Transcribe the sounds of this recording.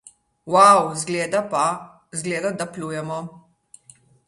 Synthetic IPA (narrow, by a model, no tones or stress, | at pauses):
wawzɡleːd̪apa | zɡleːd̪ad̪apluːjɛmɔ